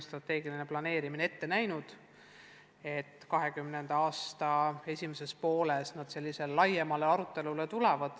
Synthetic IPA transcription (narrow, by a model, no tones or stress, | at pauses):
st̪ɾrɑt̪ːe̞ːɡiline̞plɑne̞ːɾiminee̞t̪ːe̞næjnud̪̥ | e̞t̪ːkɑɦe̞kymne̞nd̪̥ɑɑːst̪ɑe̞sʲimese̞spo̞ːlesnɑd̪̥se̞lʲːise̞lelɑjemɑle̞ɑɾut̪ːˑe̞lule̞t̪ulevɑd̪̥